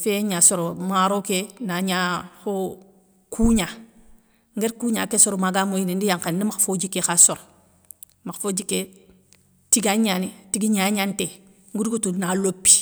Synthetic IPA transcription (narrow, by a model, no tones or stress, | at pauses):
feɲasoɾomaɾokenaɲaho | kʰuɲa | ŋɡeɾkuɲa̰kesoɾomaɡamoinindijaŋkannimakfod͡ʒikːekasoɾo | makfod͡ʒikːe | tiɡaɲanitiɡiɲaɲante | ŋɡudɡotunalopːi̥